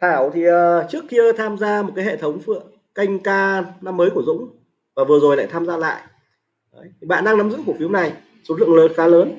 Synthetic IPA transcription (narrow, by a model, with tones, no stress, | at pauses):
t̪ʰaː˧˩wt̪ʰi˨˩ʔəː˨˩t͡ɕɨ˦˥əkxi˧t̪ʰaː˧mzaː˧mo˨˩t̚kaː˨˦ɦḛ˧˨˩t̪ʰə˨˦wŋ͡mfɨ̰˧˨əŋ | ka˧jŋ̟kaː˧na˧mːəː˨˦jku˧˩əzʊ̰˧˥ŋ͡m | vaː˨˩vɨ˨˩ə˩zo˨˩jla̰ː˧˨jt̪ʰaː˧mzaː˧la̰ː˧˨j | ʔəː˨˦jt̪ʰi˨˩ɓa̰ː˧˨nɗaː˧ŋna˨˦mzɨ̰˧˥ŋku˧˩əfi˨˦əwna˨˩j | so˨˦˥tlɨ̰˧˨əŋləː˨˦xaː˨˦ləː˨˦n